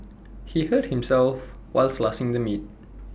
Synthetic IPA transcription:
hihət̚hɪ̃msɛlf | waɪlslasɪ̃ŋd̪əmit̚

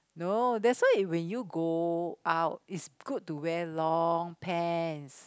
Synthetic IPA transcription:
nodɛswaɪiwɛ̃njuɡoʔaʊt̚itsɡ̥ud̚tːuwɛlɔŋpʰɛns

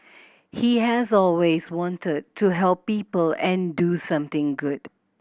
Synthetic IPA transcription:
hiɦɛzɔlwezwɔ̃ntəd̚tʰːuɦɛlˠpːiːpəlɛ̃ndusʌ̃mt̪ɪ̃ŋɡʊd̥

